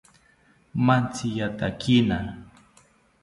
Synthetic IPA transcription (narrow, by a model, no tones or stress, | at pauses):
mant͡sɪjat̪akʰɪna